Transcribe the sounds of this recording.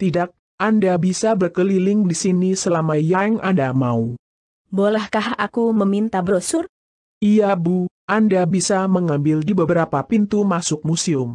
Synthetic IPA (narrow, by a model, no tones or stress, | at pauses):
t̪idak̚ | ʔandabisabərkəlilɪŋdisinisəlamaijaɛŋandamau | bolɛhkahakuməmint̪abɾosʊr | ʔijabuʔandabisaməŋambɪldibəbəɾapapint̪umasʊk̚musiʊm